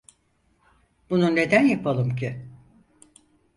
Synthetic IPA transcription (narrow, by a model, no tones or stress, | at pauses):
b̥unune̞d̪ænjapʰalˠɯmcʰɪ